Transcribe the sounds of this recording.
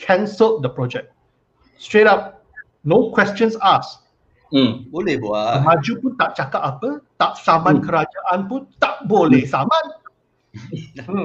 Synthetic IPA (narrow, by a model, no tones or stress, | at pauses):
kʰɛ̃nsəlf̚d̪əpɹɔd͡ʒɛk̚ | stɹetap̚ | nokʰwɛst͡ʃə̃nsas̩ | bolɛhboamãd͡ʒupunt̪aʔt͡ʃakapapət̪aʔsamãnkəɾad͡ʒaʔãnpũnt̪aʔbolɛhsamãn